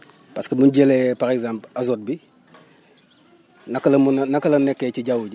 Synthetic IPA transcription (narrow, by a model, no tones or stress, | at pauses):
paskebunɟelepaɾekzampazot̚bi | nakːlɐmunnakɐlɐnekːeciɟawuɟi